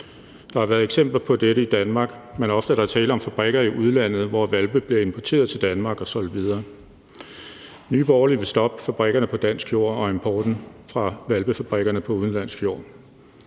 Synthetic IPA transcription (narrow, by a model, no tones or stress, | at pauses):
d̥ɑ̈hɑ̈ʋæɐðˠeɡ̥sem̰b̥l̩pʰɒ̽d̥eɾəid̥ænmɑ̈ːɡ̥menɒ̽fd̥əæɾ̥ɑ̈æɐt͡sʰɛːləɒ̽mfæb̥ʁɛɡ̥ɐiʔuð̞ˠlæn̰ð̞̩ˠʋɒʋælb̥əb̥leɐe̝mpʰɒt͡sʰe̝̰ːɐð̞̩ˠt͡sʰe̝ld̥ænmɑ̈ːɡ̥ɒ̽sɒ̽l̰d̥ʋið̞ˠɐː | nyːb̥ɒːɐliʋe̝sd̥ɒ̽b̥əfæb̥ʁɛɡ̥ɐnəpʰɒ̽d̥æn̰sɡ̥jo̝̰ːɒ̽e̝mpʰɒːd̥n̩fʁɑ̈ʋælb̥əfæb̥ʁɛɡ̥ɐnəpʰɒ̽uðˠn̩lænsɡ̥jo̝̰ː